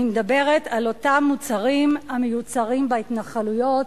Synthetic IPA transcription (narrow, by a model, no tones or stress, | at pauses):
imed̪abe̞ʁetalo̞tamːut͡saʁimamejut͡saʁimbaitnaχalujo̞t